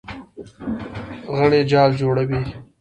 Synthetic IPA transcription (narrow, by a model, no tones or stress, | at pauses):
ɣəɳed͡ʒɑːld͡ʒoːɽawi